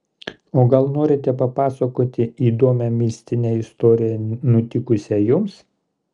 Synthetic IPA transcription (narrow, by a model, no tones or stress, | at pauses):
oːɡɐlˠnoːɾʲɪt̪ʲɛpɐpɑːsɐkoːt̪ʲɪiːd̪oɔmʲɛmʲɪsʲt̪ʲɪnʲeːɪst̪oːɾʲɪjɛnʊt̪ʲɪkʊsʲɛjʊms